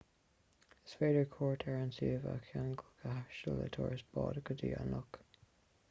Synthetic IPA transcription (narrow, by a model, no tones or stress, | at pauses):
ɪsfeːdəɹkʰɔːɹtʰɛɹənsiːvəkʰaŋɡəlɡʰəhaʃələ̰t̪ʰɔːɹəsb̥ɑ̰ːdəkʰədiːanɔk